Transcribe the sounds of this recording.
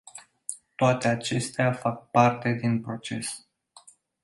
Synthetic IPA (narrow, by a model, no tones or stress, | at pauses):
t̪oat̪e̞at͡ʃe̞st̪eafak̚part̪e̞d̪inpɾo̞t͡ʃe̞s